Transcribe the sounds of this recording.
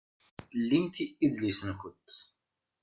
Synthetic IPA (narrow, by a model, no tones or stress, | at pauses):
lːimθiʔiðlisənçət̪ː